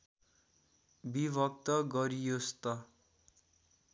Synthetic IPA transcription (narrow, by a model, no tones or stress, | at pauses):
bibʱʌk̚t̪ʌɡʌɾijost̪ʌ